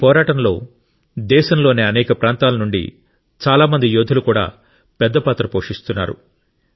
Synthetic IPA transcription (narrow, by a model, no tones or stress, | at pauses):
pɔːɾaːʈɐnlo̞ː | d̪ɛːʃɐmlo̞ːneːɐnɛːkɐpɾaːnt̪aːlɐnuɳɖḭ | t͡ʃaːlaːmɐnd̪ijoːd̪ʱulukuːɽa̰ː | pɛd̪ːɐpaːt̪ɾɐpoːʂist̪unːa̰ːɾṵ